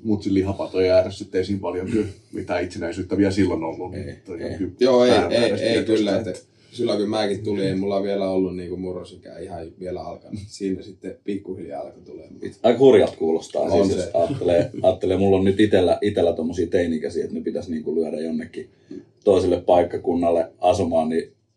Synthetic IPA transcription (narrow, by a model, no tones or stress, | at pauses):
mut̪sillihɑpɑt̪ojæːressit̪ːeisiːmpɑljonkymit̪æːit̪senæisyːt̪ːæʋiæsilːonolːunet̪ːolḛːhyjoːeieˑeeˑikylːæet̪ːæ | sylːækymæːkit̪t̪ulieimulːɑʋielæolːunniːŋkumurosikæ̰ːihɑʋielæɑ̰lkɑnsiːnæsit̪ːepikːuhiljɑ̰ɑlkɑt̪uleɑikɑhurjɑlt̪kuːlost̪ɑ̰ːossɑːt̪ːeleːɑːt̪ːeleːmulːonnyt̪it̪elːæʔit̪elːæt̪omːosiːt̪einikæsiet̪nepit̪æsniːŋkulyæɾæjonːekːi | t̪oˑiselːeppɑikːɑkunːɑlːeʔɑsumɑːnni